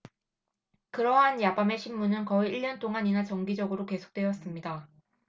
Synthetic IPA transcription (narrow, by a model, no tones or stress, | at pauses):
kɯɾʌɦanjabame̞ɕʰimːunɯnkʌiiɭːʌnt͈oŋaɲinat͡ɕʌŋɡid͡ʑʌɡɯɾoke̞sʰo̥k̚t͈we̞ʌs͈ɯmɲida